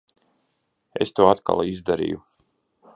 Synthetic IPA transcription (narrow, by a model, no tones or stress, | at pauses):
ḛst̪uːat̪ka̰lˠizd̪aɾḭːju